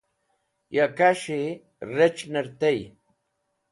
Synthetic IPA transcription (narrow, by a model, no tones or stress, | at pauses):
jakaʃi | ɾet͡ʃneɾt̪ej